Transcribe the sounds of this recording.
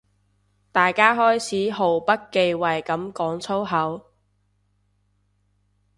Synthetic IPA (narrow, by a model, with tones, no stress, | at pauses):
t̪aː˨jkaː˥ɦɔː˥jt͡sʰiː˨˥ɦo˨˩wpɐ˥t̚ke˧jwɐ˨jkɐ˨˥mkɔː˨˥ŋt͡sʰo˥wɦɐ˨˥w